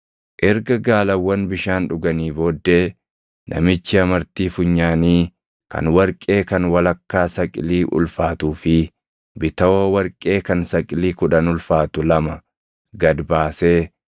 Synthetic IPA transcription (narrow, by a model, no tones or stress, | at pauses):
ʔɛɾɡɐɡaːlɐwːɐnbɪʃaːnᶑʊɡɐniːboːd̪ːe̞ː | nʔɐ̰mɪt͡ʃːɪɐmɐɾt̪iːfʊɲːaːniː | kɐ̰nwɐɾkʼe̞ːkɐnwɐlɐkːaːsɐkʼɪliːʔʊ̰lfaːt̪uːfɪ | bɪt̪ɐoːwɐɾkʼe̞ːkɐnsɐkʼɪliːkʊᶑɐnʊlfaːt̪ʊlɐmɐ | ɡɐd̪baːse̞ː